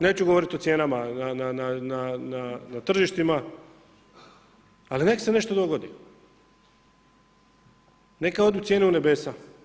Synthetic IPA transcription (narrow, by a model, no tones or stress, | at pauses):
neːt͡ɕuɡoʋo̞ɾit̪o̞t̪sʲje̞ːnamananananananat̪r̩ʒiʃt̪ima | alinekseneʃt̪od̪oɡod̪i | ne̞kao̞d̪jut̪sjeneune̞be̞ːsa